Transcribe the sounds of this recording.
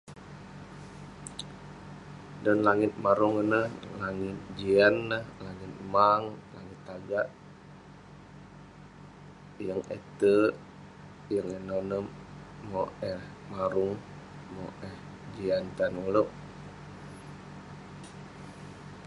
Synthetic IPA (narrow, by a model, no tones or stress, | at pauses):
dɔnlaŋɪt̪̚maɾuŋənəhlaŋɪt̪̚d͡ʒianːəhlaŋɪt̪̚maŋlaŋɪt̪ːaɡaʔ | jəŋḛt̪ə | jəŋenonəmːɔʔɛhmaɾuŋ | mɔʔɛh | d͡ʒiant̪anuloʔ